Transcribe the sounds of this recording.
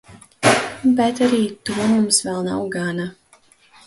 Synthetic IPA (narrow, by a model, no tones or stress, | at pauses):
bɛt̪aɾiːt̪uɔmumsvɛlˠna̰wɡana